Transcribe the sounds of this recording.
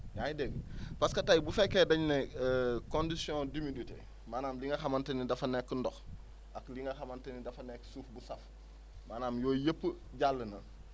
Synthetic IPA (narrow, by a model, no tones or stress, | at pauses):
jajideɡpaskɐtajbufɛkːeːdɐɲnekondisijõːdimiditḛ | maːnaːmliŋɡɐxɐmɐntɐnidɐfɐnekːəndɔx | ʔakliŋɡɐxɐmɐntɐnidɐfɐneksuːfbusɐf | maːnaːmjoːjepːə | ɟalːənɐ